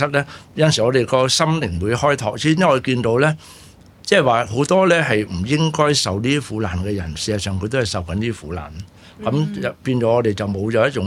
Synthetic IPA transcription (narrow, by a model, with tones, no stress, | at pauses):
sɐ˥lɛː˥jɐ˧nsi˨˩ŋɔː˨˧ɾe˨jkɔː˧sɐ˥mlɪ˨˩ŋwu˨˧jhɔː˥jt̪ʰɔ̰ː˨k̚siː˥ŋɔ˧˨kiː˧nt̪o˧wlɛː˥ | t͡sɛː˥˨waː˨˩ɦo˨˥wt̪ɔː˥lɛː˥ɦɐ˨jm̩˨˩jɪ˥ŋkɔː˥jsɐ˨wliː˥i˥fuː˨˥laː˨˩nkɛː˧jɐ˨˩nsiː˧aː˨sœː˨ŋkʰɵ˧t̪o˥hɐ˨jsɐ˨wkɐ˨˦nliː˥fuː˨˥la̰ː˨˩n | kɐ˨˦mɐ˨piː˧nt͡ʃɔː˨˥ŋɔː˧t̪e˨˩jt͡sɐ˨wmo˨˧wt͡ʃɔː˨˥jɐ˥t̚t͡ʃʊ˨˥